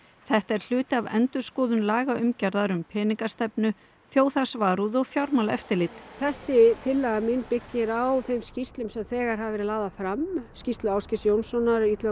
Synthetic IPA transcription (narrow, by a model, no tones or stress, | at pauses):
θɛht̪ɛɾ̥l̥ʏːt̪ɪavɛ̰nt̪ʏ̥skɔːðʏnlaːɣaʏmcaɾðaɾʏmpʰɛːniŋkast̪ɛpnʏ | θjoːwθasvaːɾuðɔɣfjawɾmalɛ̰ft̪ɪlɪt̪θɛsːɪt̪ʰɪlːɛɣamɪnpɪcːɪɾawθejmscist̪lʏmsɛmθɛːɣaɾhɦavɛɾɪlaːðafɾamscist̪lʏawscɪsjownsɔnːaɾit̪lœ